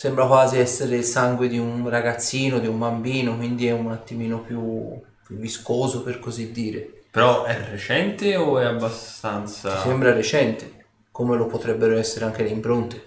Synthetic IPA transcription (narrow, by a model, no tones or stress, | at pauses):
sɛmbɾakwaːziɛsːeɾeilsaŋɡwed̪iunraɡat̪sːiːnod̪iumbambiːnokwind̪iɛunat̪ːimiːnopju | pjuvːiskoːzoperkozid̪ːiːɾḛpeɾɔʔɛret͡ʃɛnt̪eoɛabːast̪ant̪sat͡ʃisɛmbɾaɾet͡ʃɛnt̪e | komelopot̪ɾɛbːeɾoɛsːeɾeaŋk̟eleimpɾont̪e̥